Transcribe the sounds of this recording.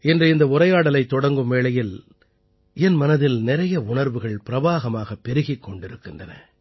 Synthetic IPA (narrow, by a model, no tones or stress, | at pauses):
ɛndrɯɪnd̪ɐʊɾɐjaːɽɐlɐɪt̪ːɔɽɐŋɡɯmʋeːɭɐjɪl | ɛnmɐnɐðɪlnɪɾɐjɐʊɳɐɾʋɯɣɐɭpɪɾɐʋaːɣɐmaːɣɐpːɛɾɯɣɪkːɔɳɖɪɾɯkːɪndrɐnɐ̰